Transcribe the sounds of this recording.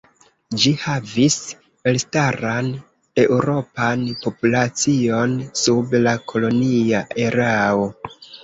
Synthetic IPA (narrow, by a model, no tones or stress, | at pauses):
d͡ʒihavis | malstaɾan | e̞uɾo̞panpo̞pulat͡sio̞nsublakʰo̞lo̞niaʔe̞ɾao̞